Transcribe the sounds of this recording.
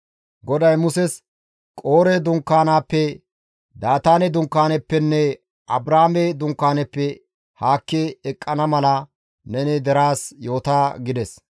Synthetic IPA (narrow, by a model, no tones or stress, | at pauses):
ɡɔd̪ɐjmʊsɛs | kʼo̞ːɾɛd̪ʊŋkːaːnaːpːɛ | d̪aːt̪aːnɛd̪ʊŋkːaːnɛpːɛnːɛ | ʔɐbɾaːmɛd̪ʊŋkːaːnɛpːɛ | haːkːɛːkʼːɐnɐmɐlɐ | nɛnɪd̪ɛɾaːsjo̞ːt̪aːɡɪd̪ɛs